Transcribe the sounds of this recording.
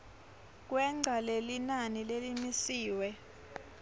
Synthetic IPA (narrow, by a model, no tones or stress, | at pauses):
k̬wɛŋ͡ǀʱalelinanilelimisiːwɛ